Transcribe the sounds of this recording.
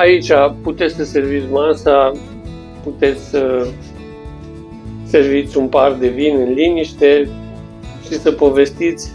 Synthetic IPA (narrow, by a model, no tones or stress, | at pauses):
ait͡ʃʲaput̪e̞t̪sʲsəse̞rvit̪sʲmasa | put̪e̞t̪sʲsə | se̞rvit̪sʲunpard̪e̞vinɨnliniʃt̪e̞ | ʃisəpo̞ve̞st̪it̪sʲ